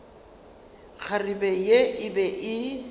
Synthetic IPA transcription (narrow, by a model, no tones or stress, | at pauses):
ɣʰaribɛjeɪbɛʔɪ